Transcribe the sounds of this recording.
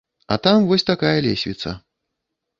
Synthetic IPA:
ɐ̰t̪amvɔsʲt̪akajɐlʲḛsʲvʲḭt̪sɐ̰

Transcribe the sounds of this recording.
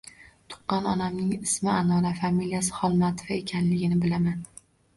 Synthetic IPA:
t̪ʰʊ̥qːɑnɒnamnɪŋɪsmɪanɒɾafamilijasɪ̥χɒlˠmat̪ʰo̥vaekʲʰanlɪɡʲɪnɪbɪlaman

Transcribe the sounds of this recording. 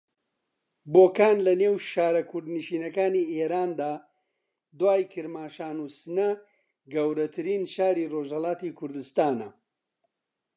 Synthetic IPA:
boːkaːnlɐneːwʃaːɾɐkʰʊɾd̪niʃiːnɐkaːniːeːɾaːnd̪aː | d̪waːjkʰɨɾmaːʃaːnusɨnɐ | ɡɐwɾɐt̪ʰɨɾiːnʃaːɾiːroːʒhɐlaːt̪ikʰʊɾd̪ɨst̪aːnɐ

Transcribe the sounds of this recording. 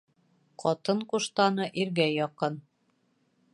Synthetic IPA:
qʰɒt̪ɤɴquʃt̪ɑnɤʔiɾɡæjɒqɤn

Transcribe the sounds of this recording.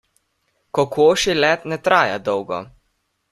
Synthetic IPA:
kɔkoːʃilɛt̪nɛt̪ɾaːja̰d̪ɔwɡɔ̰

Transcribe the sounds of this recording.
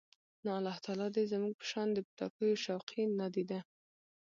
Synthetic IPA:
nɑalɑht̪ɑlɑd̪ezəmuɡ̚pə̥ʃɑnd̪əput̪ɑ̰kəjoʃawqʰinad̪id̪a

